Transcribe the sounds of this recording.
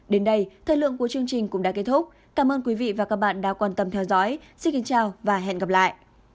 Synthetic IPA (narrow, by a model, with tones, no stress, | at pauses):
ɗe˨˦nɗə˧jt̪ʰəː˧˩jlɨ̰˧˨əŋku˧˩ət͡ɕɨ˧əŋt͡ɕï˨˩ŋ̟kʊ̰˧˥ŋ͡mɗa̰ː˧˥ke˦˥t̚t̪ʰʊ˦˥k͡p̚ | k̪aː˧˩mʔəː˧nk̬wi˨˦vḭ˧˨vaː˨˩ka˦˥k̚ɓa̰ː˧˨nɗa̰ː˧˥kwaː˨˩nt̪ə˨˩mt̪ʰɛ˧wzɔ̰˧˦˥jsi˧nki˨˦ŋt͡ɕaː˨˩wvaː˨˩ɦɛ̰˧˨nɣə˨˩p̚la̰ː˧˨jʔ